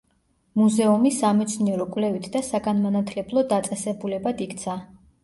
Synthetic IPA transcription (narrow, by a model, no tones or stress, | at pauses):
muzɛumisamɛt̪sʰniɛɾɔkʼwvlɛvit̪ʰd̪asaɡanmanat̪ʰlɛblˠɔd̪at̪sʼɛsɛbulɛbad̪ikʰt̪sʰa